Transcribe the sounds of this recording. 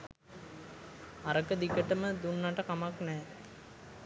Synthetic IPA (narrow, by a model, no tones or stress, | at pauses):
aɾəkəd̪ikəʈəməd̪unːaʈəkamaknɛː